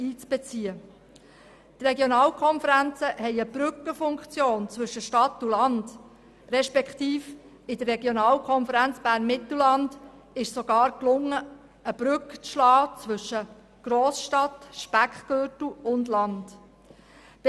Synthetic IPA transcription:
iːt͡sb̥ɛt͡siə | t̪rɛɡjonɑːlkʰɔnfəɾænt͡səhɛɪəb̥ɾʏkːəfʊŋkχt͡sjoːnt͡sʋɵʃəʃtɑtːulɑnd̥ | ɾɛʃpɛkχt̪iːf | ɪd̥ərːɛɡjonɑːlkʰɔnfəɾænt͡sb̥æːɾnmɪt̪l̩lɑnd | ɪʃsɔɡ̥ɑːɾklʊŋːə | əb̥ɾʏkt͡sʃlɑːt͡sʋɵʃːə | ɡ̥ɾoːsʃtɑtʃpækχɡ̥øtl̩ʊndlɑnd̥ | b̥

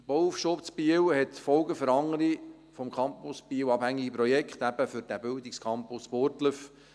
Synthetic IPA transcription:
b̥ɔufʃopsbiəwhɛtfɔlɡəfəɾɑŋəɾi | fɔmkʰɑmpʊsb̥iːəwɑbhæŋːiɡəpɾɔjɛkχt̪æb̥əfʏɾd̥æbɪldɪkskʰɑmpʊspoɾtləf

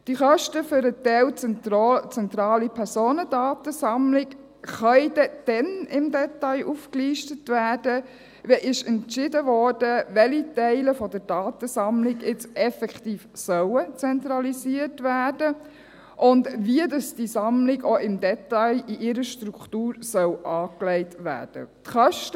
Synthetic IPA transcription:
d̥iχœʃtəfʏɾətɛlt͡sɛt͡sɛnt̪ɾɑːlipʰɛɾsoːnədɑːtəsɑmlɪk | χœʏdɛd̥ɛnɪmdɛtɑɪʔufkliːʃtətʋæːd̥ə | ʋɛʔɪʃɛntʃɪdəʋɔːɾd̥əʋɛlitɛɪləfɔdəɾd̥ɑːt̪əsɑmlɪɡɪt͡sɛfɛkχtiːfsœwət͡sɛntɾɑliziətʋæːd̥ə | ʔʊndʋiədɑsd̥isɑmlɪɡɔʔɪmdɛtɑɪiʔɪɾəʃtɾukχtuːɾsœwʔɑːklɛɪtʋæ̰ːd̥ə̰tχœʃt

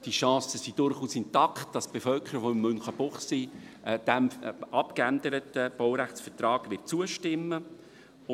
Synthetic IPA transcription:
d̥iʃɑ̃ːsəsid̥ʊɾχuːsɪntɑkt̚d̥ɑsb̥efœlkʰəɾəʋoɪmːɵnχəbʊχsid̥ɛmɑpkænd̪əɾətəb̥ɔwɾæχt͡sfətrɑːɡ̥ʋɪt͡suəʃtɪmːə

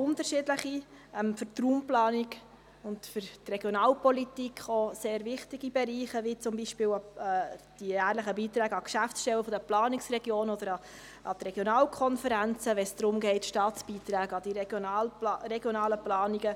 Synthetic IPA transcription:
ʊnt̪əɾʃɪːdləχi | ɛmfʏɾt̪ruːmplɑːniɡ | ʊntfʏɾtreɡjɔnɑːlpɔlit̪ikχoseːɾvɪχtiɡibɛɾiːχəvit͡sʊmbiːʃpɪːwɑ | d̥ijæːɾləχəbiːt̪ɾæːɡɑkʃæfsʃtɛwəfɔd̥əplɑːniksrɛɡjoːnɔd̪əɾɑ | ʔɑt̪ɾɛɡ̥jonɑːlkʰɔnfəɾænt͡səʋɛnsd̪̥ɾʊmɡɛɪtʃtɑːtt͡sb̥iːt̪ɾæːɡɑd̥̪ilrɛɡjɔnɑːləplɑːniɡə

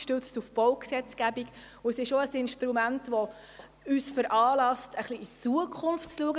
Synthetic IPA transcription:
ʃtøt͡stufb̥ɔʊksɛt͡sɡ̥æbiɡ | ʊəsɪʃoəsɪnʃtɾumæntʋɔ | yːsfəɾʔɑːlɑstəχliːt͡suəkʰχʊnftt͡sluəɡə

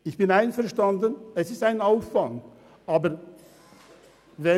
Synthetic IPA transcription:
ɪçb̥ɪnaɪnfɛɐʃtandənɛsɪstaɪnaʊfːaŋ | ʔaːbə | vɛ

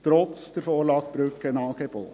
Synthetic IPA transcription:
t̪ɾɔt̪sd̪ɛɾfoːɾlɑːɡ̥b̥ɾʉːkənɑːɡɛpo̰ː

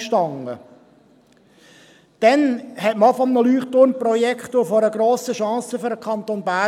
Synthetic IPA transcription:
ʃtɑŋə̰ | d̥ɛnhɛtmɑfɔmnəlyːχtʊɾnprɔjɛkχtʊfɔɾəɡɾoːsəʃɑ̃ːsəføɾdəkʰɑnt̪onbæ

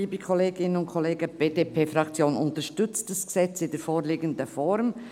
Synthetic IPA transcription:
iːbəkʰɔleːɡɪnənʊntkʰɔleːɡəb̥eːdeːpʰeːfrɑkt͡sjoːnʊntəʃtʏt͡std̥asɡ̥ə̥sɛt͡sɪndɛɾfoːɾliːɡəndəfɔɾm

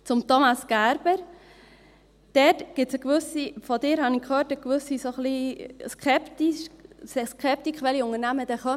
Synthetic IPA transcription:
t͡sʊmtomɑsɡ̥æɾb̥əɾ | d̥ɛtɡ̥ɪsəɡʋʏsifɔdɪːɾhɑnikχøːɾtəɡ̥vʉsisoχliskɛptiʃsskʰɛp̚tikʰʋɛliʊŋənæməd̥ɛχœ

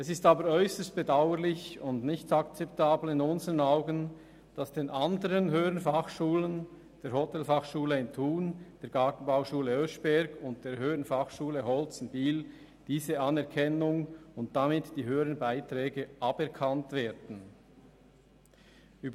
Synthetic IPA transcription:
ɛsɪstɑːbəɾɔʏsəst̚b̥edaʊəɾlɪçʊndnɪçtɑkt͡sɛp̚taːbl̩ɪnʊnzəʁənɑʊɡən | d̥ɑsd̥eːnʔɑndəɾənɦøːənfɑχʃuːlən | d̥eːɾhɔtɛlfɑχʃuːləɪntʰuːnd̥eːɐɾɡ̥ɑːtn̩baʊʃuːləøʃb̥ɛɾɡʊnt̚d̥eːɾɦøːənfɑχʃuːləɦɔlt͡sn̩d̥iːl | d̥iːzəɑnɛʁkʰɛnʊŋʊnt̚d̥amɪtd̥iːɦøːəɾənbaɪtɾɛːɡəʔɑbɛɐkʰɑntveːdn̩ | yːb

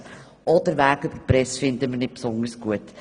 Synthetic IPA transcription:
ʔɔd̪əɾʋæːɡʏbəɾpɾɛsfɪnd̪əməɾnɪt̚psɔndəɾsɡ̥uət

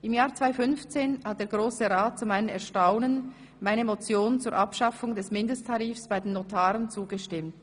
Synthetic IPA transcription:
ʔɪmjaːɐt͡sv̥aɪfʏnft͡seːnhat̚d̥eːɐɡʁoːsəʁaːt̚t͡sumaɪnənɛʁʃtaʊnən | maɪnəmot͡sjoːnt͡suːɐɾʔapʃɑfʊŋdɛsmɪndəstʰaʁiːfsb̥aɪdenːotʰaːʁənt͡suːɡəʃtɪmt

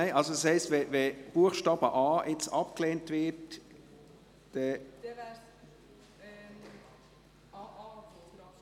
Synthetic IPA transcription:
æɪʔɑlsodəshɛɪstvɛvɛb̥uəχʃtɑːb̥əʔɑːʔɪt͡sɑp̚kleːntvɪt | d̥ɛ

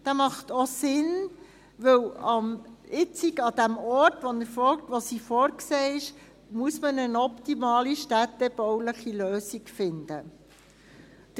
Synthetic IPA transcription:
d̥æmɑχt̪osɪn | ʋɵwɑmɪt͡sikɑd̥̪æmɔɾtʋonəɾfɔktʋosiːfɔːɾkseːɪʃ | muəsmənənɔptimɑːliʃtætɛb̥ɔwləχiløːsikfɪnd̥̪ə

